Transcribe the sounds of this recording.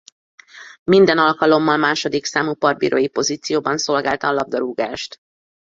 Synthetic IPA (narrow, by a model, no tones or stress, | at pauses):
mind̪ɛnɒlkɒlo̞mːɒlmaːʃo̞d̪iksaːmupɒrbḭːɾʔo̰jipo̞ziːt̪sijoːbɒnso̞lɡaːlt̪ɒːlɒb̚d̪ɒɾuːɡaːʃt̪